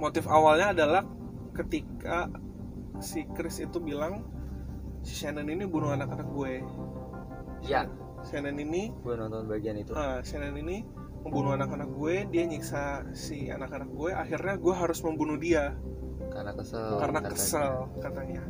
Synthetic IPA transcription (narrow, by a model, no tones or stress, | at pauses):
mot̪ɪfawalɲaːdalah | kət̪ikʰa | sikɾɪsḭt̪ubilaŋ | si̥ʃanɛninibunuanakanak̚ɡuɛ | ja | ʃanɛniniɡuɛnɔnt̪ɔnbaɡianit̪uəʃanɛnini | məmbunuanakanak̚ɡuɛdiaɲiksa | sia̰nakanak̚ɡuɛʔa̰xirɲaɡuɛɦaɾʊsməmbunudia | kanakəsəlkarnakkəsəlkat̪aɲa